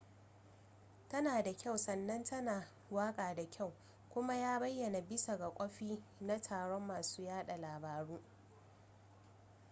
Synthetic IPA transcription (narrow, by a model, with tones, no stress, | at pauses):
tɐ˦naː˨da˨kʲa˦˨wsɐ˨nːɐ˦ntɐ˦naː˨ | waː˦kʼaː˨da˨kʲa˦˨w | kʷʊ˦ma˦jaː˦bɐ˦jːɐ˨na˨bɪ˦sa˨ɡa˨kʷʼɔ˦ɸiː˦na˦tʰaː˨ɽɔ˦mːaː˨suː˦jaː˦ɗa˨laː˨baː˨ɽuː˦